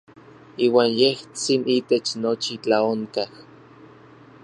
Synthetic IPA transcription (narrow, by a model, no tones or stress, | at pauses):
iːwaːnjeht͡sinit̪et͡ʃnot͡ʃit͡ɬaoŋkah